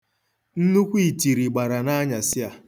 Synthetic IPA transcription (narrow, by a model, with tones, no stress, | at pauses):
n̩˦nu˦kʷi˦˨ti˨ɾi˨ɡ͡ba˨ɾa˨na˦ɲa˨sɪ˦a˨